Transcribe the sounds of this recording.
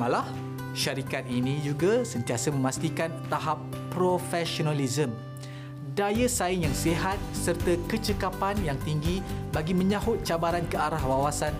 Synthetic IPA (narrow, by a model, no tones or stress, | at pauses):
ãlah | ʃaɾikat̪̚inĩd͡ʒuɡasənt̪iasəmə̃mast̪ikant̪aɦapː | ɾofɛʃonalizəm | dajəsaɪnjaŋsiɦat̪̚sərt̪akət͡ʃəkapanjaŋt̪iŋɡibaɡimə̃ɲaɦʊt̪̚t͡ʃabaɾankəaɾahwawasan